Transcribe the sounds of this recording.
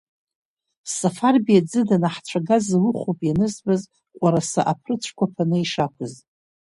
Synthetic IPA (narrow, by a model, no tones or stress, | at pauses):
safarbijad͡zɨdanaħt͡sʷʰaɡazlɨχʷopʼjanɨzbaz | qʷʼaɾasa̰ʔapʰrɨt͡ʃʷʰkʷapʰanɨiʂakʷʰɨz